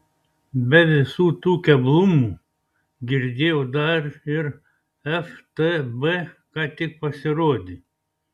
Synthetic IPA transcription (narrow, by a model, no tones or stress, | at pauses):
bɛðɛsut̪ukʲɛblˠumu | ɡʲiɾd̪ʲeod̪aɾiɾ | ɛft̪əbə | kat̪ʲik̚pasiɾod̪ʲi